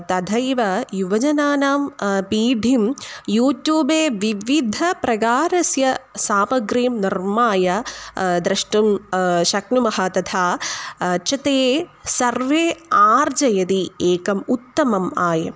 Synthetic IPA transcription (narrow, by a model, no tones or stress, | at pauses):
t̪ɐd̪ʱɐjʋɐjuʋɐd͡ʒɐnaːnaːmpiːɖʱimjuːʈjuːbeːʋiʋid̪ʱɐpɾɐɡaːɾɐsjɐsaːmɐɡɾiːmnirmaːjɐd̪ɾɐʂʈumʃɐknumɐɦɐt̪ɐt̪ʰaː | t͡ʃɐt̪eːsɐɾʋeːaːɾd͡ʒɐjɐd̪ieːkɐmut̪ːɐmɐmaːjɐ